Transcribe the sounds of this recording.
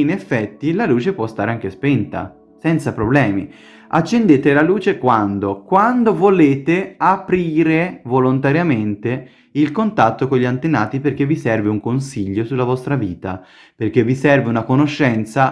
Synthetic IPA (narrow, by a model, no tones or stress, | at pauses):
inefːɛt̪ːilaluːt͡ʃepwɔst̪aːɾeaŋk̟espent̪a̰ | sɛnt̪sapɾoblɛːmi | at͡ʃːend̪eːt̪elaluːt͡ʃekwand̪okwand̪ovoleːt̪eapɾiːɾevolont̪aɾjament̪e | ilkont̪at̪ːokoʎːiant̪enaːt̪iperk̟evːisɛrveuŋkonsiʎːosulːavɔst̪ɾaviːt̪a̰ | perk̟evːisɛrveunakonoʃːɛnt̪sa